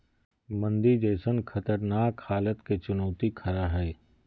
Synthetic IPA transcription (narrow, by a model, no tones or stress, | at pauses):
mɐ̃nd̪id͡ʒɛːsənkʰɐt̪əɾnaːkhaːlət̪ket͡ʃʊnɔːt̪ikʰɐɾaɦɛː